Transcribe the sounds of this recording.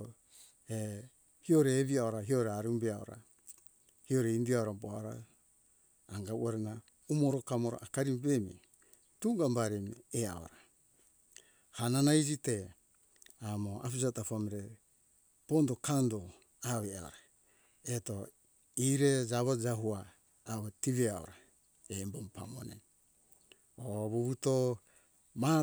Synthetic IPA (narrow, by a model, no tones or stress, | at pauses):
e | hio̞ɾeːβiaoɾaɦioɾeaɾumbeao̰ɾa̰ | hio̞ɾeindiaoɾaboaoɾa̰ | ŋɡauʔaɾena | umoɾokamoɾo̰ʔakaɾimbemi | tuɡambaɾemiea̰o̰ɾa | hananaid͡ʒite̞ | amoa̰pisatapamiɾe | pondokando | aβea̰oɾa | eto | iɾed͡ʒaβad͡ʒaɦuaː | βetiβeaoɾa | embompa̰mo̰nḛ | oβuβuto | ma